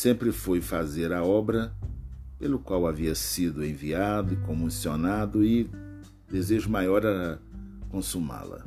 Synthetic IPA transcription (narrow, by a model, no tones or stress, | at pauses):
sẽmpɾɪfojfazeɾɐɔbɾɐ | pelʊkwawaviɐsid̪ʊẽviad̪ʊɪkõmusionad̪ʊɪ | d̪ezeʒʊmajɔɾɐ | kõsuma̰lɐ̰